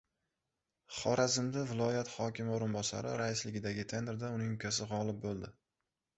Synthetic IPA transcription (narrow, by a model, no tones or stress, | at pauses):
χɒɾazɪmd̪avɪlˠɒjat̪hɒkʲɪmɪoɾɪnbɒsa̰ɾɪɾaɪslɪɡʲɪd̪aɡʲɪt̪ʰe̞nɾd̪aʊnɪŋʊkʲasɪʁɒlˠɪp̚bolˠd̪ɪ